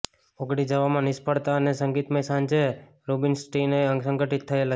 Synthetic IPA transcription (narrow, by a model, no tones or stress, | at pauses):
oɡɽid͡ʒəʋamãnɪspəɽt̪aənesəŋɡit̪mesãnd͡ʒe | ɾubinsʈineəŋsə̃ŋɡəʈit̪ʰːəela